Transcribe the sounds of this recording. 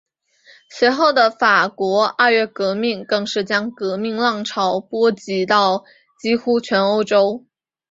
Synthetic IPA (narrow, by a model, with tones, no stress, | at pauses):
swe˧˥ɪxo˥˩ʊd̪ə˩fa˨˩kwɔ˧˥a˥˧ɥɛ˥˩kɤ˧˥mi˥˩ŋkɤ˥˧ŋʂɻ̩˥˩t͡ɕjɑ˥ŋkɤ˧˥mi˥˧ŋlɑ˥˩ŋʈ͡ʂʰɑ˧˥ʊpwɔ˥t͡ɕi˧˥t̪ɑ˥˩ʊ | t͡ɕi˥xu˥t͡ɕʰɥɛ˧˥no˥ʊʈ͡ʂo˥ʊ